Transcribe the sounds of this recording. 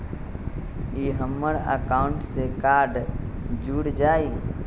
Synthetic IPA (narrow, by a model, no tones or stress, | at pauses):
iːɦəmːəɽə̰kaːʊɳʈsekaːɾɖ | d͡ʒuːɽd͡ʒaːi